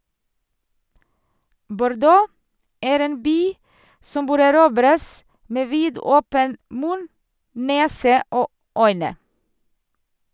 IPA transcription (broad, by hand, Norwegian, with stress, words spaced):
bʊɾˈdoː ˈæːɾ ˈeːn ˈbyː ˈsɔm ˈbøːɾ æˈɾuːbɾəs ˈmeː ˈʋiːdɔpən ˈmʉn ˈneːsə ˈoː ˈœʏnə